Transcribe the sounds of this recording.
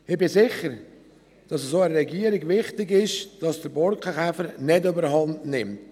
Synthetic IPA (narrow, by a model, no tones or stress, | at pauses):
ɪb̥ɪsɪχəɾ | d̥ɑsəsoːɛɾɾɛɡiəɾɪɡʋɪχtɪɡɪʃd̥ɑsd̥əɾbɔlkχəχæfəɾnɛdøbəɾɦɑndnɪmt